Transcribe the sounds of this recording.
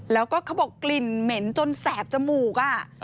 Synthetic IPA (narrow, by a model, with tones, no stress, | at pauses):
lɛː˦˥wkɔː˥˩kʰa˧boː˨˩kkli˨˩nme˩˦nt͡ɕo˧nsɛː˩˦p̚t͡ɕa˨˩muː˨˩k̚ʔa˧˩